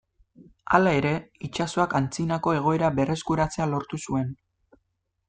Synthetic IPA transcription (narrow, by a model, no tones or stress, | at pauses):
a̰lae̞ɾe̞it͡ʃaso̞akant͡sinako̞e̞ɣ̞o̞e̞ɾaβe̞re̞skuɾat͡se̞alo̞ɾt̪usue̞n